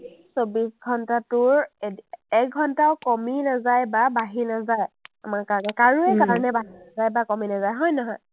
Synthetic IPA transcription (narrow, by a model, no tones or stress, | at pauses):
esobisɡʱɔntatʊɹeɛk̚ɡʱɔntaʊkɔminazajbabaɦinazajamaɹkaɹnɛkaɹuɛkaɹɔnɛbaɦinazajbakɔminazajɦɔjnɔɦɔj